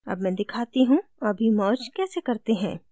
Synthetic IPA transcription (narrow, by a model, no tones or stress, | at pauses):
ɐ̰bmɛ̃ːd̪ɪkʰaːt̪iɦũɐbʱimɔːt͡ʃkɛːsekɐɾt̪eɦɛ̰̃ː